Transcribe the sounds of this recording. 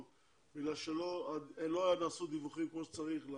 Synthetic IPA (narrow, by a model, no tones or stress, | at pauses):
biɡlalʃeloaeloajanaːsud̪ivuχimkmoʃet͡saʁiχla